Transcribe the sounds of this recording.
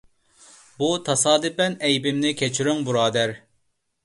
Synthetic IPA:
but̪ʰɑsɑːd̪ɨpɛnɛjbɪmnɪkʲʰɛt͡ʃʰiɾyŋbuɾɑːd̪æɾ

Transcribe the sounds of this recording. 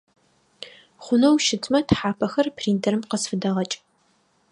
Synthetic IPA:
χʷʊnɐwʃɪtʰmɐtħaːpʰɐxɐrpʰriːndɐɾɨmqəzfɨdɐʁɐt͡ʃʼ

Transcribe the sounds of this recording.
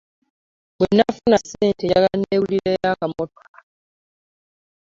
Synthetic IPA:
bwenːafunasːeːnteaɡanːeːβuliɾejakamoto̥ka

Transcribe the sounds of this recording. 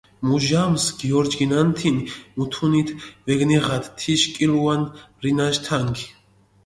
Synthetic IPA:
muʒamsɡiɔɾd͡ʒɡinant̪ʰinmut̪ʰunit̪ʰvɛɡniʁat̪t̪ʰːiʃkʼiluanrinaʃt̪ʰaŋɡi

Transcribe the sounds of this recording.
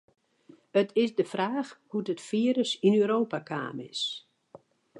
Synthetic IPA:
ətʰɪsdəfraːxhudətfiəɾəsinøːɾoːpakʰa̰ːmɪ̰s

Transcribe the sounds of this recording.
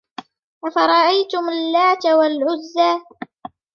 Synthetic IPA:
ʔafɑɾˤɑʔajt̪ʊmalːaːt̪awalʕʊzːaː

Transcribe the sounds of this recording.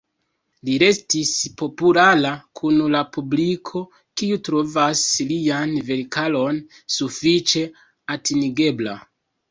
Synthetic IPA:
liɾe̞stispo̞pulalakʰunlapublikʰo̞ | kiutɾo̞vaslianve̞ɾikalo̞n | sufit͡ʃe̞ | atiniɡe̞bla̰

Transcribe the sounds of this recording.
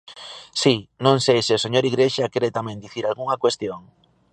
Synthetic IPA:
sinõŋsejsɪoseɲoɾiɣɾeʃakeɾet̪amɛ̃nd̪iθiɾalɣuŋɐkwest̪joŋ

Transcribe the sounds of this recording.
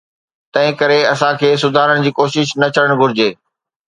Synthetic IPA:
t̪ɐ̃ɦɪ̃kɐɾeɐsãkʰeːs̬ʊd̪ʱaːɾəɽ̃ɪ̆d͡ʑiːkoːʃɪʃnɐt͡ɕʰɐɽəɽ̃ɡʱʊɾɪd͡ʑeː

